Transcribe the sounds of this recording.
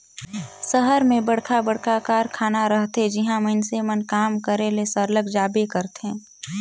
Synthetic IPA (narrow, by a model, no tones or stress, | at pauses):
səɦəɾmẽbəɽkʰabəɽkʰakaːɾkʰaːnaɾəɦt̪ed͡ʒɪɦãmɐnsemənkaːmkəɾelesəɾləɡd͡ʒaːbekəɾt̪ɦẽː